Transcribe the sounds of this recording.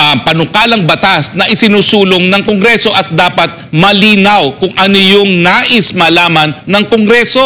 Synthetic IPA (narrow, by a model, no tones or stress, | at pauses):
pɐnʊkaːlɐŋbɐt̪asnɐʔɪsɪnuːsuːloŋnɐŋkoŋɡɾɛso̞ʔɐt̪̚d̪aːpɐt̪̚mɐliːnɐwkʊŋʔɐnojʊŋnaːʔɪsmɐlaːmɐnːɐŋkoŋɡɾɛso̞